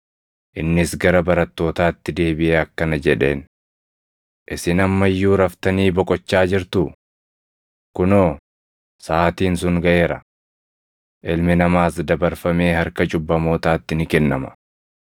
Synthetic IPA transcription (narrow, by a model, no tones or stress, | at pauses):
ʔɪnːɪsɡɐɾɐbɐɾɐt̪ːo̞ːt̪aːt̪ːɪd̪e̞ːbɪʔeːɐkːɐnɐd͡ʒɛᶑe̞̰ːn | ʔɪsɪnɐmːɐjːuːɾɐft̪ɐniːbɔkʼɔt͡ʃːaːd͡ʒɪɾt̪ʊ | kʊnoː | saːt̪iːns̬ʊŋɡɐʔeːɾɐ | ʔɪlmɪnɐmaːsd̪ɐbɐɾfɐme̞ːhɐɾkɐd͡ʒʊbːɐmo̞ːt̪aːt̪ːɪnɪkɛnːɐmɐ̥̰